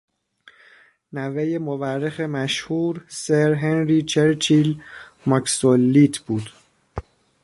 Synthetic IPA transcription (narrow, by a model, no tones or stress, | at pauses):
nævejemoværːexemæʃhuːɾseɾɦenɾit͡ʃʰeɾt͡ʃʰilmɒksolːit̪ʰb̥uːd̪̥